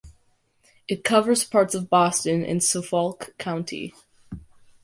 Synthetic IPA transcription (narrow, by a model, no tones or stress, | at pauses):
ɨt̚kʰʌvə˞z̥pʰɑɹtsʌvbɔstɨ̃nʔɨ̰̃nsofɔlˠkʰãʊ̃ntʰḭ